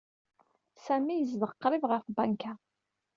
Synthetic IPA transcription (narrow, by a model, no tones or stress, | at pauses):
sæmijəzvəʁqːɾivʁəfbæŋka